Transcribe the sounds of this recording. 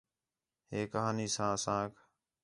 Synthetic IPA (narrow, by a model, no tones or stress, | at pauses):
ɦeːkəɦaːniːsãːəsãːkʰ